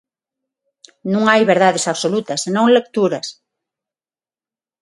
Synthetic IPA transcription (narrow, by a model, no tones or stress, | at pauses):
nũŋajβeɾðaðesaβsolut̪ɐsːenõŋlek̚t̪uɾɐs